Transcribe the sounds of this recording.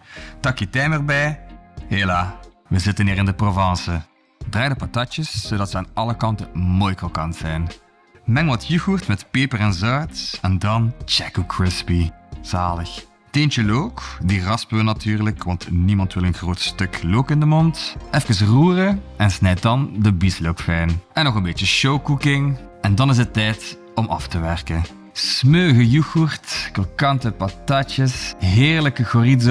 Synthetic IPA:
tɑkjətɛjmərbɛjɦelaː | ʋəzɪtəniːɾɪndəprovɑnsə | draːjdəpɑtɑt͡ʃəsːoːdɑtsəaːnɑləkɑntəmojkokɑnz̥ɛjn | mɛŋwɑtʰjyɣurtmɛtpeːpərɛnzœɹtɛndɑnt͡ʃɛkukʰɹɪspiz̥aːləx | tent͡ʃəloːkdirɑspønatyːrləkʋɑntnimɑntʋɪlˠənxroːtstɵkloːkɪndəmɔntɛfkəns̬ruːrəɛnsnɛjt̚dɑndəbislowkfɛjnɛnːɔɣənbeːt͡ʃəʃowkukɪŋ | ɛndɑnɪs̬ətːɛjt | ɔmʔɑ̰ftəʋɛrkən | smøːɣəjuxurtkokɑntəpɑtɑt͡ʃəsɦɪːɹləkəɣoridz

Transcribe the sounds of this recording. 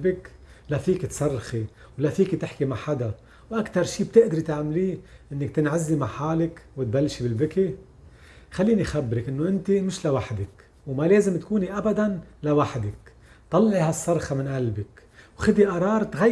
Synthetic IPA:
bɪk | lafiːkɪt̪sˤɑrˤːxi | wlafiːkit̪ɪħkimaʕħad̪a | wʔakt̪ɑɾˤʃiːb̚t̪ɪʔd̪ɾit̪aʕmliːʔɪnːɪk̚t̪ɪnʕazːimaʕħaːlɪkwɪt̪̚balːʃibɪlbɪki | xalːiːnixabːɾɪkʔɪnːoʔɪnt̪imɪʃlawaħd̪ɪk | wmaleːzɪmt̪kuːniʔabad̪anlawaħd̪ɪk | t̪ˤɑlːʕihasˤːɑrˤxɑmɪnʔalbɪkwxɪd̪iʔɑɾˤɑːɾˤt̪ɣa

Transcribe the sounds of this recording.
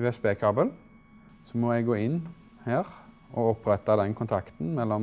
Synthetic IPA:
ʉɛsbeːkʰɑbəl | sɔmɔɛɡɡoːɪnː | heːʁ | ɔɔpʁɛt̪ːɑd̪ɛnkʰʊnt̪ʰɑkt̪n̩mɛlːɔ

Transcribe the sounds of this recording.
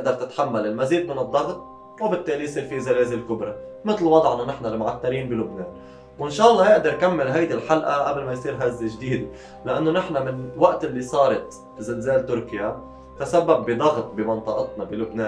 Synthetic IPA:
ɪʔd̪ɑɾˤt̪ɪt̪ħamːalɪlmaziːd̪mɪnɨd̪ˤːɑɣt̪̚ˤ | wɪbɪt̪ːeːlijsˤiːɾfizaleːzɪlkʊbɾˤɑmɪt̪lwɑd̪ˤʕʔɪnːʊnɪħnalmʊʕat̪ːaɾiːnbɪlʊbneːn | wɪnʃɑːʔɑlˤːɑːjɪʔd̪ɑɾkamːɪlɦajd̪ilħalʔaʔablmajsˤiːɾɦazːɪʒd̪iːd̪ɪ | lɪʔanːonɪħnamɪnwaʔt̪ɪlːisˤɑːɾˤɑt̪ | zɪlzeːlt̪ʊɾkɪja | t̪asabːabːɪd̪ˤɑɣt̪̚ˤbɪmɑnt̪ˤɨʔɑt̪nɑbilʊbneː

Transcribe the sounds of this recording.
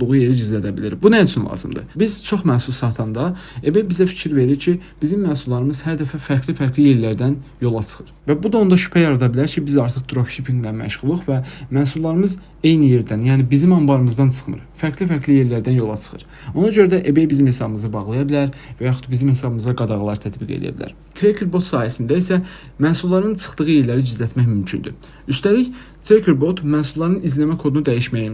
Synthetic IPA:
d̪uɣuje̞ɾiɟizlæd̪æbilḭɾbunæyt͡ʃʰynlˠɑ̰ːzɯmd̪ɯ̰biz̥t͡ʃʰo̞χmæːsulˠsɑt̪ʰɑnd̪ɑebe̞jbizæfi̥cʰiɾve̞ɾiɾcʰib̥izimːæːsulːˠɑɾɯmɯz̥hæɾd̪æfæfæɾcʰlifæɾɡlije̞ɾlæɾd̪ænjo̞lˠɑt͡ʃʰɯ̥xɯɾvæbud̪ɑo̞nd̪ɑʃy̥pʰæjɑɾɑd̪ɑbilæɾcʰibizɑɾt̪ʰɯχd̪uɾofʃipʰiŋɡlæmæ̰ʃʁulˠɯχvæmæːsulˠːɑɾɯmɯz | e̞jnije̞ɾd̪ænjæːnibizimɑmbɑɾɯmɯzd̪ɑnt͡ʃʰɯ̥χmɯ̰ɾfæɾklifæɾɡlije̞ɾlæɾd̪ænjo̞lˠɑt͡ʃʰɯ̥χɯ̰ɾ | o̞nɑɟøɾæd̪æʔebejbizimhe̞sɑbɯmɯzɯbɑʁlˠɑjɑbilæɾvæjɑχu̥t̪bizimhe̞sɑbɯmɯzd̪ɑɡɑd̪ɑʁɑlˠɑɾt̪ʰæt̪biɡḛlḭjæ̰bilæ̰ɾ | t̪ʰɾekʰeɾbo̞t̪sɑːhæsind̪æisæ | mæsulˠlːˠɑɾɯnt͡ʃʰɯ̥χt̪ɯʁɯje̞ɾlæɾid͡ʒizlːæt̪mæçmymcʰynd̪y | yst̪æliç | t̪ʰɾekʰeɾbo̞t̪mænsulːˠɑɾɯnizlæmækʰo̞d̪unud̪æjiʃmæji

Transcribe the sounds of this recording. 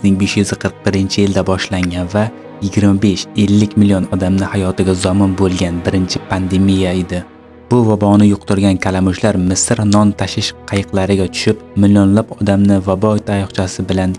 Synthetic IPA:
znɪŋbe̞ʃjʊzɪqʰɨɾɨq̚bɪɾɪnt͡ʃʰɪjɪld̪abɒʃlaŋɡʲanva | jɪɡʲɪɾmabe̞ʃe̞lːɪkʲmɪlijonɒd̪amnɪhajɒt̪ɪɡʲazɒmɪnbolˠɡʲanbɪɾɪnt͡ʃʰɪpʰand̪e̞mijaed̪ɪ | b̥ʊvabɒnɪjʊq̚t̪ʊɾɡʲankʲʰalamʊʃlaɾmɪsɾnɒnt̪ʰaʃɪʃqʰɑjɨqlˠaɾɪɡʲat̪ʰʊ̥ʃɪpmɪlijonlapɒd̪amnɪvabɒɪt̪ajɒχt͡ʃʰasɪbɪlan

